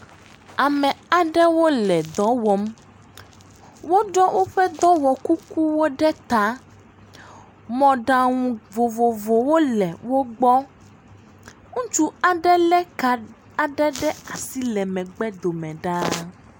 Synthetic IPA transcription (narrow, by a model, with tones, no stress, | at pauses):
a˨mɛ̃˨a˨ɖɛ˦wo˦lɛ˨d̪ɔ˨˦wɔ˨m | wo˦ɖɔ˦wʔo˦ɸɛ˦d̪ɔ˦wɔ˨ku˦ku˦wo˦ɖɛ˦t̪a˦ | mɔ̃˨ɖa˨ŋũ˨vo˨vo˨vo˨wo˦lɛ˨wo˦ɡ͡bɔ˦ | ŋũ˦t͡ʃu˦a˨ɖɛ˦lɛ˦˨ | a˨ɖɛ˦ɖɛ˦a˨si˦lɛ˨mɛ̃˨ɡ͡bɛ˦d̪o˨mɛ̃˨ɖa˦